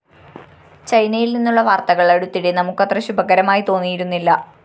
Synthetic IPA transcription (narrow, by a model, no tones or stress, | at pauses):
t͡ɕɐjnɐjilninːuɭːɐʋaːrt̪ɐɣɐɭeɽut̪ːiɽenɐmukːɐt̪rɐɕubʱɐkɐɾɐmaːjit̪o̞ːnːijiɾunːilːɐ